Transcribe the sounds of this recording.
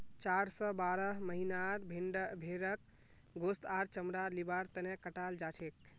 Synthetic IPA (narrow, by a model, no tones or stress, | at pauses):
t͡ʃaɾsɔbaɾəɦməɦinaɾbʱiɳɖbʱeɾək̚ | ɡost̪aɾt͡ʃəmɾalibaɾt̪ənekəʈald͡ʒat͡ʃʰek